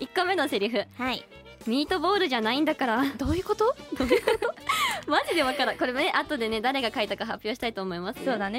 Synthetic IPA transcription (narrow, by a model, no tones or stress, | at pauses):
ikːome̞noseɾʲiɸɯ̟hai | mʲiit̪o̞bo̞ːɾɯ̟ʑanaĩnd̪akaɾad̪̥oːjɯ̟ko̞t̪od̪oːjɯ̟kot̪omaʑid̪e̞βakaɾako̞ɾe̞mone̞ʔat̪o̞d̪e̞ne̞d̪aɾe̞ɡakait̪akaɦapʲjo̞ːɕi̥t̪ait̪o̞ːmo̞imasɨ̥soːd̪ane